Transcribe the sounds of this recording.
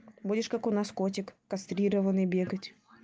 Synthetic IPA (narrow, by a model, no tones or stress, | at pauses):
budʲɪʂkakʊnaskotʲɪkːɐst̪ɾʲiɾəvənɨjbʲeɡətʲ